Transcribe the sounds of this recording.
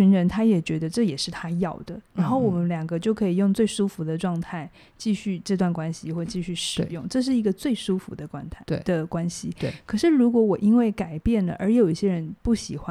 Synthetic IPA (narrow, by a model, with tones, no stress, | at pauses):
y˧˥nɻə˧˥nt̪ʰa˥jɛ˨˩t͡ɕɥɛ˧˥d̪ə˧ʈ͡ʂɤ˥˩jɛ˨˩ʂɻ̩˥˩t̪ʰa˥jɑ˥˩ʊd̪̥ə˩ɻa˧˥nxo˥˩ʊwɔ˨˩mə˦nljɑ˨˩ŋɡə˦t͡ɕjo˥˩ʊkʰɤ˧˥i˨˩jʊ˥˧ŋt͡swe˥˩ɪʂu˥fu˧˥d̪ə˧ʈ͡ʂwɑ˥˧ŋt̪ʰa˥˩ɪ | t͡ɕi˥˧ɕy˥˧ʈ͡ʂɤ˥˧t̪wa˥˩nkwa˥nɕi˨xwɔ˥˧t͡ɕi˥˧ɕy˥˩ʂɻ̩˨˥˩jʊ˥˩ŋʈ͡ʂɤ˥˧ʂ̬ɻ̩˥˩i˧˥ɡə˧t͡swe˥˩ɪʂu˥fṵ˧˥d̪ə˧kwa˥nt̪ʰd̪ə˧kwa˥nɕi˨we˥˩kʰɤ˨˩ʂɻ̩˥˩ɻu˧˥kwɔ˧˥wɔ˨˩ʔi˥nwe˥˩ɪka˨˩ɪpjɛ˥˩nlə̰˩ʔə˞˧˥jo˨˩ʊi˥˩ɕjɛ˥ɻə˧˦˥npu˥˩ɕi˨˩˦xwa˦